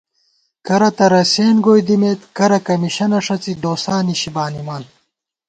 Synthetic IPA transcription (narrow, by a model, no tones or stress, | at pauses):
kɐɾɐt̪ɐɾɐseːnɡoːjd̪imeːt̪kɐɾɐkɐmiɕɐnɐʂɐt͡sid̪oːsaːniɕibaːnimaːn